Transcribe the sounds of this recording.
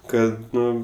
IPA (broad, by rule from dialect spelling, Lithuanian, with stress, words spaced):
ˈkɐt ˈnʊ